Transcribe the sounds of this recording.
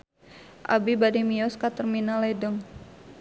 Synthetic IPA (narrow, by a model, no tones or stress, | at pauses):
ʔa̰bibadimiɔskat̪ərminaledəŋ